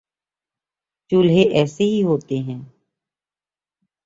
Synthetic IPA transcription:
t͡ʃʊlɦeʔɛːseɦiɦoːt̪eɦɛ̃ː

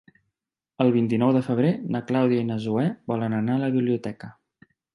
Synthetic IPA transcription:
əlˠβ̞int̪inɔwðəfəβ̞ɾenəklawðiəinəzuɛbɔlənənaələβiβliut̪ɛkə

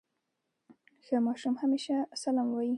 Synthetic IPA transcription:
xəmɑʃumhameʃasalɑmwɑji

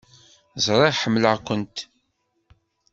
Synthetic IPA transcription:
zˤɾˤeʁħəmːləʁkʷənt̪

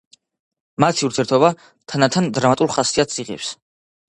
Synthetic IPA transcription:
mat̪ʰiuɾt̪ʰiɛɾt̪ʰɔba | t̪ʰanat̪ʰand̪ɾamat̪ʼulˠχasiat̪sʰʼiʁɛ̰ps

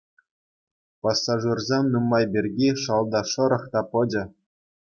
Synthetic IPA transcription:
pɑsːɑʐurzʲemʲnumːɑjbʲerʲɡʲiʂɑlˠd̪ɑʂɤ̆ɾɤ̆χt̪ɑpɤ̆d͡ʑɘ̆

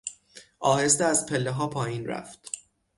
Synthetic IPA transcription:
ʔɒːhes̬t̪eæzpʰelːeɦɒːpʰɒːjiːnræ̰ft̪

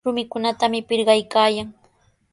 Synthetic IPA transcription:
ʊmɪkʊnat̪amɪpɪɾɢɑjkaːjaŋ

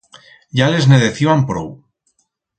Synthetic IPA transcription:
ʝale̞zneðeθiβampɾo̰w

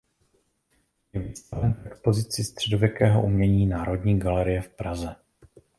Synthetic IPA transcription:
jɛvist̪avɛnfʔɛkspo̞zɪt͡sɪst̪r̝̥ɛdo̞vjɛkɛːɦo̞̰ʔumɲɛɲiːnaːɾo̞dɲiːɡalɛɾɪjɛfpɾazɛ

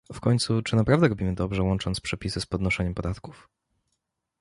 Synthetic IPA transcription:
fkɔɲt̪sut͡ʂɘnapɾavd̪ɛɾɔbʲimɘd̪ɔbʐɛwɔnt͡ʂɔnt̪spʂɛpʲisɘspɔd̪nɔʂɛɲɛmpɔd̪at̪ku̥f

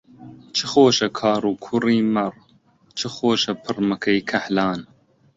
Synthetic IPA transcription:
t͡ʃʰɨxoːʃɐkʰɑːɾuːkʰuriːmɐɾ | t͡ʃʰɨxoːʃɐpʰɨɾmɐkʰɐjkʰɐħlɑːn

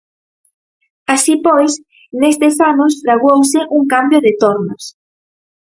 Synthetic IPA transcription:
asipojs | nest̪esanʊst̪ɾaɣowsɪʔuŋkambjoðɪt̪oɾnos

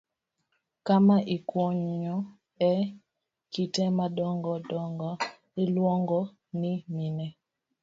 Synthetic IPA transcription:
kamaʔikwɔɲɔ | ɛ | kitɛmadɔŋɡɔdɔŋɡɔ | ɪlwɔŋɡɔ | niminɛ

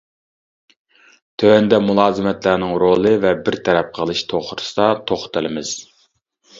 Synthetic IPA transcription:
t̪ʰøwɛnd̪ɛmulˠɑːzɨmɛt̪læɾnɪŋɾolˠɨvɛbɪɾt̪ʰɛɾɛp̚qʰəlˠɨʃt̪ʰoχɾɨ̥sɨ̥d̪ɑt̪ʰoχt̪ɨlɪmɪz̥

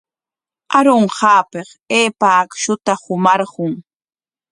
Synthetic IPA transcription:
aɾoɴɢɑːpeχ | eːpaːkʃʊt̪ahʊmɑɾɢʊŋ

